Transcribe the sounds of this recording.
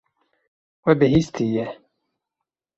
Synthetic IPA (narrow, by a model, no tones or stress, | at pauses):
wɛbɪhist̪ʰijɛ